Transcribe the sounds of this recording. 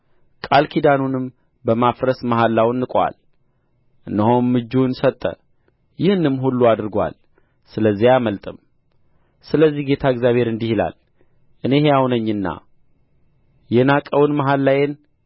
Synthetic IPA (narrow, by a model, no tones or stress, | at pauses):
kʼalkʰid̪anunɨm | bəmafɾəsmaɦalːawnːɨkʼwa̰l | ʔɨnːəɦomːɨd͡ʒːunsət̪ʼːə̰ | jɪhɨnɨmɦulːuad̪ɾɡʷa̰l | sɨləzːihaməlt̪ʼɨm | sɨləzːihɡet̪ʰaɨɡzʲjaβhe̞ɾɨnd̪ihila̰l | ʔɨne̞hejawnəɲːɨnːa̰ | jɛnakʼəwnmaɦalːajen